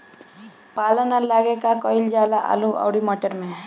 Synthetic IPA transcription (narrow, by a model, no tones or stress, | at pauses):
palənalaɡekakɔɪld͡ʒalaʔa̰lũa̰wɽimɔʈəɾmẽ